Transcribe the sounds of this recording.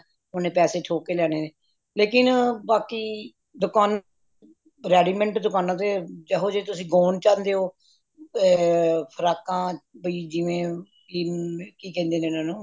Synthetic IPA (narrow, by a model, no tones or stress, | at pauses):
ʊnẽːpɛːseːt͡ʃʰoːkeːlɛːñeːneː | leːk̬ɪnbaːkiː | d̪ʊkaːn | ɾɛːɖiːmɛ̃ɳʈd̪ʊkaːnãːt̪eːd͡ʒəɦoːd͡ʒeːt̪ʊsĩːɡoːnt͡ʃãːnd̪eːɦoː | pʰəɾaːkãːbəiːd͡ʒɪʋẽː | iːkiːkɛ̃ːnd̪eːnẽːnãːnũː